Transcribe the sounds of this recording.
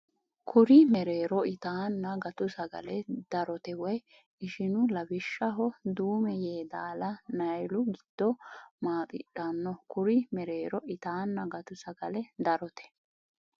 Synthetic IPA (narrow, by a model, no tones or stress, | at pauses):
kʰʊɾɪmɛɾeːɾɔɪt̪aːnːɐɡɐt̪ʊsɐɡɐ̰lɛd̪̥ɐɾɔt̪ɛwɔj | ɪʃɪnʊlɐbɪʃːɐɦɔd̪uːmɛjeːd̪aːlɐnɐjlʊɡɪd̪̥ːɔmaːt̪ʼɪ̰ᶑanːɔkʊɾɪmɛɾe̞ːɾɔʔɪt̪aːnːɐɡɐt̪ʊsɐɡɐlɛd̪ɐɾɔt̪ɛ̥